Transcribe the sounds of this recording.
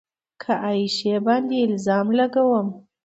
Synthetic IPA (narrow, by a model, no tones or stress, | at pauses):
kʰaʔɑjiʃebɑnd̪eɪlzɑmlaɡawəm